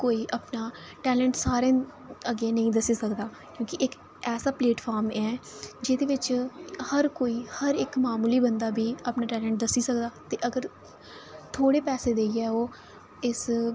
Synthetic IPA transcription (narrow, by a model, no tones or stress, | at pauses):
koːiːʔaːpnaː | ʈɛːlɛ̃ɳʈsaːɾẽː | əɡeːnəĩːd̪əsiːsəkd̪aː | kjõːkɪʔɪk | ɛːsaːpleːʈpʰaːɾmɛːd͡ʒɪd̪eːʋɪt͡ʃhəɾkoːiːhəɾɪkmaːmuːliːbənd̪aːbʱiːəpnaːʈɛːlə̃ɳʈ̚d̪əsiːsəkd̪aːt̪eːʔəɡəɾ | t̪ʰoːɽeːpɛːseːd̪eːiɛːoː | ɪs